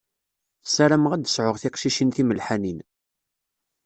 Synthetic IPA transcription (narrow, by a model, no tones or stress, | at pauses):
sæɾæmʁæd̪əsʕʊʁθɪqʃiʃinθiməlħanin